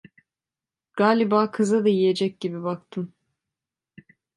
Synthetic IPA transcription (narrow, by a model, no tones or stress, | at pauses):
ɡ̥aːlʲibaːkʰɯzad̪ajije̞d͡ʒɛc̚ɟibibak̚t̪ʰɯm